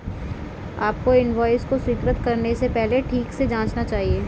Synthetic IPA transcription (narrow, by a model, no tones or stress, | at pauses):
aːp̚koɪnʋɔːɪzkoswiːk̪ɾət̪kɐɾnesepɛɦleʈʰiːksed͡ʒãːt͡ʃnat͡ʃaːɦieː